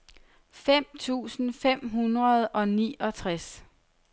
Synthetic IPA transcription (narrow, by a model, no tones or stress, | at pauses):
fem̰t͡sʰṵːsn̩fem̰ɦunʁɐð̞̩ˠʔɒ̽nḭːʔɒ̽t͡sʰʁas